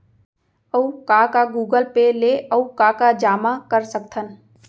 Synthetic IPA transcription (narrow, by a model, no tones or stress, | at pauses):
əukakaɡuːɡəlpeleʔəukakad͡ʒaːmakəɾsək̚t̪ʰən